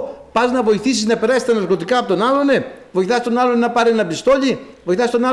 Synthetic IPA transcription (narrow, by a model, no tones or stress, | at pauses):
pɐznɐvo̞iθisiznɐpeɾɐsist̪ɐnɐɾko̞t̪ikɐːpot̪o̞nɐlo̞nevo̞iθɐst̪o̞nɐlo̞nenɐpɐɾienɐbist̪o̞ʎi | voiθɐst̪onɐ